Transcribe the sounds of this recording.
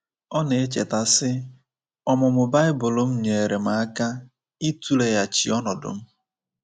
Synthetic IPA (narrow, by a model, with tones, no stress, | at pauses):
ɔ˦ne˨e˦t͡ʃe˨ta˨sɪ˦ | ɔ˦mʊ˨mʊ˨ba˦ɪ˦bʊ˨lʊ˨˦m̩˦ɲe˨ɾe˨m̩a˨a˦ka˦ | i˦tu˦le˨ja˨t͡ʃi˨ɔ˦nɔ˨dʊ̰˨m̩˦